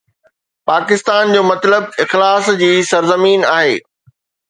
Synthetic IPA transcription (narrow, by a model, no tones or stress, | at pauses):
paːkɪst̪aːnd͡ʑoːmɐt̪ləbɪxlaːsd͡ʑiːsɐɾzəmiːnaːɦḛː